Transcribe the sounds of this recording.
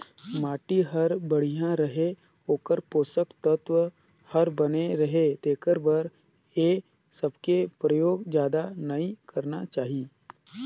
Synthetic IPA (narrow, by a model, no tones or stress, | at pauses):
maːʈiɦɐɾbɐɽ̤ijãɾɐɦe | ɦoːkəɾpoːsəkt̪ət̪wə | hɐɾbɐneɾɐɦet̪eːkəɾbɐɾ | je | sɐbkepɾəjoːɡd͡ʒjaːd̪anɐikɐɾnat͡ʃaːɦiː